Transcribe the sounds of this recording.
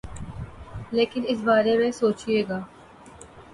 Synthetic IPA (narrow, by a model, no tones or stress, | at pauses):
leːkɪnɪs̬baːɾemẽsoːt͡ʃieːɡaː